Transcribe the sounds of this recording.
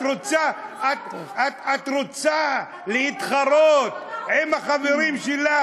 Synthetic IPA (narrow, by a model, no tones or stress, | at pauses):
ɾot͡saat̪atat̪ɾot͡sa | lehit̪χaɾot̪̚hemaχaveɾimʃela